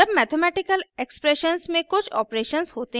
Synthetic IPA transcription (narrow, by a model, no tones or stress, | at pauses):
ɐbmɛːt̪ʰemɛːʈɪkəlekspɾeʃənsmẽkʊt͡ʃʰɔ̰ːpɾeːʃənzhoːt̪e